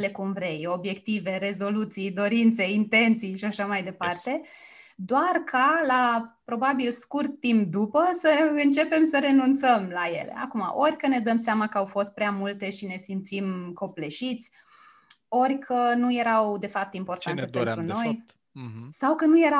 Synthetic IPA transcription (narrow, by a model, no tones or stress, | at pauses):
le̞kumvɾe̞jo̞bje̞kt̪ive̞ɾe̞zo̞lut̪sijd̪o̞ɾint̪se̞int̪e̞nt̪sijʃiaʃamajd̪e̞part̪e̞ | d̪oarkʰalapɾo̞babilskurt̪ːimp̚d̪upəsəɨnt͡ʃe̞pe̞msəɾe̞nunt̪səmlaje̞̰lḛʔa̰kuma̰ʔo̞rʲkəne̞d̪əmseamakəawfo̞st̪̚pɾeamult̪e̞ʃine̞simt̪simko̞pleʃit̪sʲ | o̞rʲkʰənuje̞ɾawd̪e̞fap̚t̪impo̞rt̪ant̪e̞pent̪ɾuno̞j | sawkənuje̞ɾa